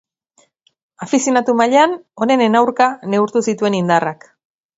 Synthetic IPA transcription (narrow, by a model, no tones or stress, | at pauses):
afisjonat̪umaʎeano̞ne̞nenawɾkane̞uɾt̪usit̪ue̞nind̪arak